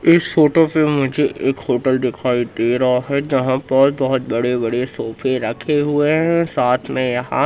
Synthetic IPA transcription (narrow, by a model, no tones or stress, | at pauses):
ɪsfoːʈopemʊd͡ʒʱeʔeːkhoːʈəlɖɪkʰaːiʈeːɾaɦɛd͡ʒɐɦãbɔːt̪̚bɔɦʊt̪̚bɐɽebɐɽesoːpʰeɾɐkʰeɦʊeɦɛ̃saːt̪ʰmẽjɐɦã̰